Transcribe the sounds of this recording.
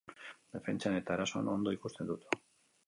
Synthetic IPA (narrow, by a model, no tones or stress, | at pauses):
d̪e̞fe̞nt͡ʃane̞t̪aɾasoa̰no̞nd̪oikust̪end̪ut̪